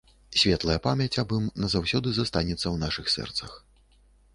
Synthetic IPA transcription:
sʲvʲɛt̪lˠɐjɐpamʲjɐt͡sʲabɨmnɐzawsʲɔd̪ɨzast̪anʲɛt̪sːɐwnaʂɨxsɛ̰rt̪sɐx

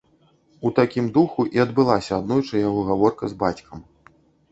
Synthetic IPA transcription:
ut̪akʲimd̪uxuʔiɐd̪bɨlˠasʲɐːd̪nɔjt͡ʂɐjaɣɔɣavɔrkɐzbat͡sʲkʰɐm

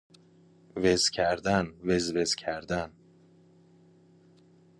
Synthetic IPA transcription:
vezcʰæɾd̪ænvezvez̥cʰæɾd̪æn

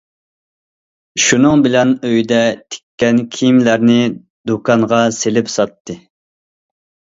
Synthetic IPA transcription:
ʃunɨŋbɪlɛnøjd̪ɛt̪ʰɪ̥kʲʰːɛnkʲʰimlæɾnɪ | d̪ukʰɑɴʁɑselɪpsɑt̪ːɨ

